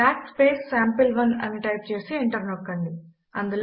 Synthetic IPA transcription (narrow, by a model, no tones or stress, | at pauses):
aːkspeːsːaːmpilʋɐnɐ̰niʈɐjp̚t͡ʃeːsiːɳʈɐɾnokːɐɳɖi | ɐ̰nd̪ul